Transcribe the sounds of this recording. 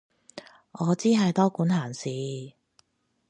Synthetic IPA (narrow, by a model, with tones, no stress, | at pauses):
ŋɔː˨˧t͡siː˥ɦɐ˨jt̪ɔː˥kuː˨˥nhaː˨˩nsiː˨˧